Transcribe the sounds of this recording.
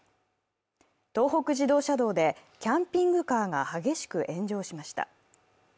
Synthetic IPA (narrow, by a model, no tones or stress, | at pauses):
t̪o̞ːɦo̞kɯ̟ʑid̪o̞ːɕad̪o̞ːd̪e̞kʲãmpʲĩŋɡɯ̟kaːŋahaɡe̞ɕi̥kɯ̟ʔẽ̞ɲ̟d͡ʑo̞ːɕimaɕi̥t̪a̰